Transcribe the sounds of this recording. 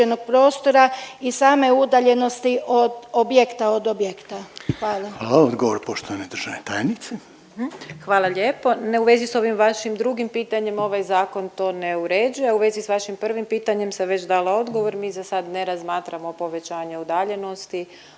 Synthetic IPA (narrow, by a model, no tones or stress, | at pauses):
enoɡ̥̚pɾo̞ːst̪oɾaisaːme̞ud̪aʎe̞no̞st̪iʔod̪objekt̪aod̪objekt̪axʋaːlˠaaːlˠaod̪ɡoʋoɾpo̞ʃt̪oʋaned̪r̩ʒaʋnet̪ajenit̪se | xʋaːlˠaʎʲe̞ːpo̞neuʋe̞ziso̞ʋimʋaʃimd̪ɾuɡimpiːt̪aɲe̞mo̞ʋajzaːko̞nt̪o̞ːneuɾe̞d͡ʒujeuʋe̞zisʋaʃimpr̩ʋimpiːt̪aɲe̞mseʋe̞t͡ɕd̪aːlao̞d̪ɡo̞ʋo̞ɾmiːzasad̪ne̞ɾazmaːt̪ɾamo̞po̞ʋe̞t͡ɕaːɲeud̪aʎe̞no̞st̪i